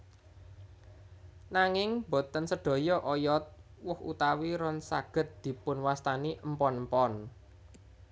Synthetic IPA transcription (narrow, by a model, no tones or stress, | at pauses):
naŋɪŋbo̤t̪ənsəɖ̥o̤jɔʔɔjɔt̪̚ | wʊhṵt̪awiɾɔnsa̰ɡ̥ə̤t̪̚d̪̥i̤pʊnwast̪aniʔmpɔnmpɔn